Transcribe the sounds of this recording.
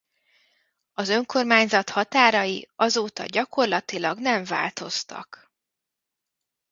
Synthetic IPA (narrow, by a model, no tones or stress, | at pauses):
ɒzø̞ŋko̞rmaːɲzɒt̪hɒt̪aːɾɒjiɒzoːt̪ɒ̰ɟɒko̞rlɒt̪ilɒɡnɛɱva̰ːlt̪o̞st̪ɒ̰k